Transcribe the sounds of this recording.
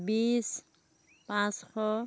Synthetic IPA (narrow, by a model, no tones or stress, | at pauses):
bis | pãsxɔ